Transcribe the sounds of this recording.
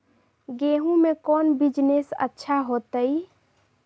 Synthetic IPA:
ɡeːɦũmẽkɔːnbid͡ʒnesə̰tːʃʰaɦoːt̪əi

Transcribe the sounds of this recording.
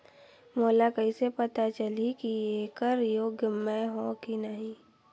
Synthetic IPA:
moːlakɐisepɐt̪at͡ʃəlikieːkəɾjoːɡjəmɛ̃ɦõkinəɦĩ

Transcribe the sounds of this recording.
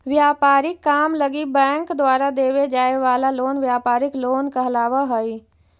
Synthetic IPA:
ʋjaːpaːɾɪkːaːmləɡibɛ̃ːŋkd̪waːɾad̪eːwed͡ʒaːeʋaːlaloːnʋjaːpaːɾɪkloːnkəɦəlaːʋaɦəi

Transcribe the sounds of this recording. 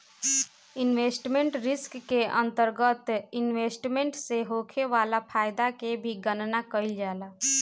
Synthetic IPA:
inʋeːsʈmeɳʈɾɪskːeʔənt̪əɾɡət̪inʋesʈmeɳʈseɦokʰeʋaːlapʰaːjd̪akebʱiɡənnakəɪld͡ʒaːla

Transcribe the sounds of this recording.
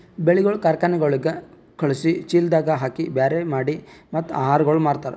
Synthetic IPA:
beɭiɡɐɭukaːɾkaːnɛɡɐɭiɡe | kɐɭisit͡ʃiːld̪aːɡɐɦaːkibaːɾemaːɽimɐt̪ːuaːɦaːɾɐɡɐɭumaːɽt̪aːɾe

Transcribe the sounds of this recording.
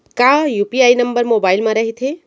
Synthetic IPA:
kãjuːpiaːinɐmbəɾmoːbaːɪlmãɾɐɦit̪ʰe

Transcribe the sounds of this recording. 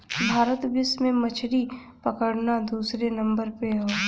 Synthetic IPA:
bʱaːɾət̪bɪsmẽmɐt͡ʃʰɾi | pɐkəɽnad̪uːsɾenɐ̃mbəɾpeoː

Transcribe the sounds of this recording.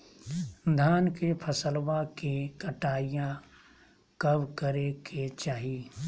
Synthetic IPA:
d̪ʱaːnkepʰəsəlwakekəʈaːijã | kəbkəɾekʰet͡ʃaːɦiː

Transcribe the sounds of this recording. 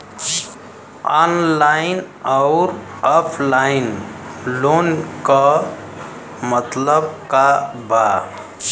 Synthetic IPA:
ɔnlaɪn | ɔʊɾɔpʰlaɪnlonkʌ | mət̪ləbkaba

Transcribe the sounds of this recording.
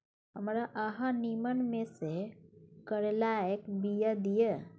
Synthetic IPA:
ɦəmɾaʔəɦãnimənmesekəɾelaekbijad̪ije

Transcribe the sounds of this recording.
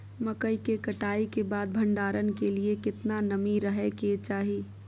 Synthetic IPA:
mɐkəikekəʈaːikebaːd̪̚bʱɐ̃ɳɖaːɾənkeliekɪt̪nanəmiɾəɦeket͡ʃaːɦi

